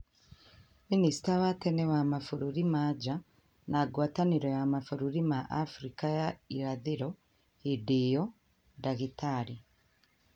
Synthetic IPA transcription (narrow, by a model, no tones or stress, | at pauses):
minisi̥taβatenewamafuɾuɾimaɟa | naɡwaːtaniɾojamafuɾuɾimaʔːfuɾikajaiɾaðiɾo | hidijo | daɣitaɾi